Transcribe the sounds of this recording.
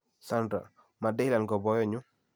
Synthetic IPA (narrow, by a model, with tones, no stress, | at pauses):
sa˦nda̰˨ | ma˨dɛ˦la˨nɡɔ˨bɔ˦jɔ˦˨ɲʊ˦